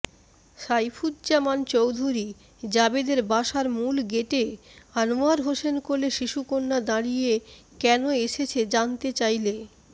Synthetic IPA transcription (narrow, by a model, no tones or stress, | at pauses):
ʃajfʰud̪̚d͡ʑamant͡ɕowd̪ʱuɾi | d͡ʑabed̪eɾbaʃaɾmulɡeʈeanoaɾɦoʃenkoleʃiʃukonːad̪aɽije | kɛnoeʃet͡ɕʰed͡ʑant̪et͡ɕajle